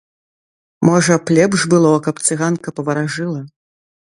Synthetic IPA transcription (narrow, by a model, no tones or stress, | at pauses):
mɔʐɐplʲɛbʐbɨlˠɔkɐpt̪sɨɣankɐpɐvɐɾaʐɨlˠɐ